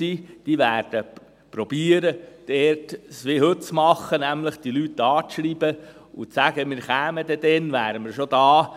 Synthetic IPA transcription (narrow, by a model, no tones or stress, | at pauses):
iːd̥iːʋæːɾd̥ə | pɾɔb̥iːəɾəd̥ɛrtsʋɪhɵt̚t͡smɑχːənæmləχd̥ilyt̪ːɑːʃɾiːb̥ə | ʊt͡sæɡ̥əmɪːɾχæːməd̪ɛd̥̪ɛnʋæːɾəmɪɾʃod̥̪ɑː